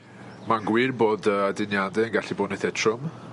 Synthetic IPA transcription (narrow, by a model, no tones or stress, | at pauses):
manɡwɪrboːdəadɪnjadɛənɡaɬiboːdnɛθɛtʰrʊm